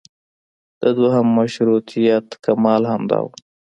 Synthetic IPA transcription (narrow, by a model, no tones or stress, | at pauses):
d̪̥əd̪waɦamːaʃɾut̪ijat̪kamɑlhamd̪ɑ̰w